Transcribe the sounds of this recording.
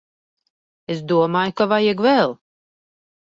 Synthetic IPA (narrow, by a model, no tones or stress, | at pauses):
es̬d̪uɔmaːjkavajɛɡvɛlˠ